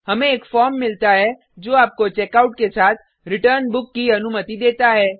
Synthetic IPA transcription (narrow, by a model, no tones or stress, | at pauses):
hɐmẽeːkfɔːɾmːɪlt̪aɦɛ | d͡ʒoːaːp̚kot͡ʃɛːkaːʊʈ̚kesaːt̪ʰ | ɾɪʈəɾnbʊkːiɐnʊmət̪id̪eːt̪aɦɛː